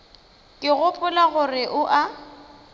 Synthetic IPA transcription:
kʼɪɣʊpʼʊlaɣʊrɪʔʊʔa

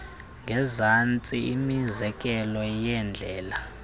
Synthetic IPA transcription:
ŋɡʱɛzant͡sʼiimizɛkʼɛlɔjɛnd͡ɮʱɛːla

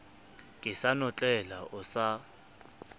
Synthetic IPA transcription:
kʼɪsanɔt͡ɬʼɛlaʊsa

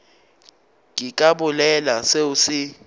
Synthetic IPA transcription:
ŋʱikʼaɓulɛlaseusi

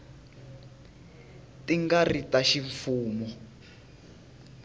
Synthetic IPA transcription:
tiŋɡaritaʃiɱfuːmɔ

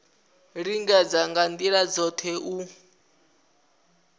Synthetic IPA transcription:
ɾiŋɡɛd͡zaŋɡandiɺad͡zɔt̪ʰɛʔu

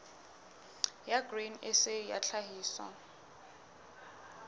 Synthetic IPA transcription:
jaɡrenɪsɪja̰ɬʰaɦiːswa̰

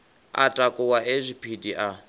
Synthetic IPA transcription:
a̰tʼakʼɔwaʔɛzʷipʰidiʔa

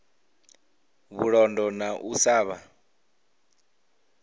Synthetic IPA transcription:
βuɺɔndɔnaʔusaːβa

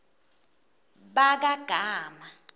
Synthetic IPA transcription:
ɓak̬aɡ̥ʱaːma

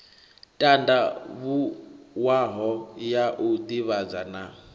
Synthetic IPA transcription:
tʼandaβuwaɦɔjaʔud̪iβad͡zana

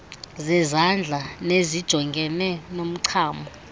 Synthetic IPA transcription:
zɛzand͡ɮʱanezid̥ʒ̥ʱɔŋɡʱɛnɛnom̩ǀʰaːmbʱɔ

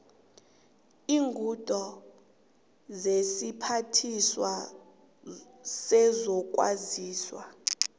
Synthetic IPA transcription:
iːŋɡʱud̥ʼʱɔ | zesipʰatʰiswa | sɛzɔk̬ʼwa̰ziːswa

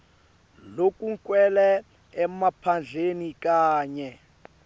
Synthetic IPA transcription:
lokʼuŋ̩kʼwɛlɛː | mapʰand͡ɮʱenikaːɲɛ

